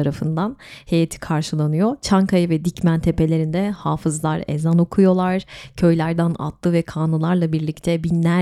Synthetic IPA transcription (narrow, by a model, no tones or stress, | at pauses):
aɾafɯnd̪anhe̞jet̪ʰi̥kʰaɾʃɯlˠanɯjo̞t͡ʃʰaŋkʰajɯvɛd̪icmænt̪ʰe̞pʰe̞lʲe̞ɾind̪ɛhaːfɯzlˠaɾḛzano̞kʰujo̞lˠaɾ̥cʰø̞jlʲæɾd̪æna̰t̪ʰlˠɯvɛkʰaːnɯlˠaɾlˠabiɾlʲict̪ʰɛbinlʲæ